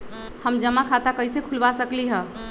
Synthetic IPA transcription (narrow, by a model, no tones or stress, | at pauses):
həmd͡ʒəmakʰat̪akəɪsekʰʊlʋasəkliɦɛ̃